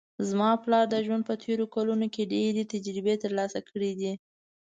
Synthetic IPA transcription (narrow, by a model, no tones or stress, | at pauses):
zmɑplɑɾd̪əʒwand̪̚pət̪ʰeɾokalunokeɖeɾet̪ad͡ʒɾɪbet̪əɾlɑsakʰəɽid̪i